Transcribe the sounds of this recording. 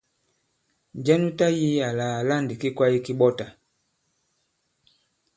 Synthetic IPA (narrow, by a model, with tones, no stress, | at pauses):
d͡ʒɛ˦nu˦ta˦ji˦a˨la˨a˨la˦˨ndi˨ki˦kwa˦ji˦ki˦ɓɔ˦ta˨